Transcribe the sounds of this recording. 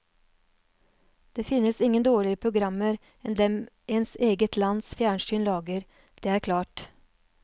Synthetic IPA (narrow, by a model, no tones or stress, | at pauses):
d̪̥eːfɪnəsɪŋənd̪oːɭɪəɾəpʰɾʊɡɾɑməɾ | ɛnd̪ɛmʔeːnseːɡət̪ʰlɑnsfjæːɳʃyːnlɑːɡəɾ | d̪̥eːæːɾkʰlɑːʈ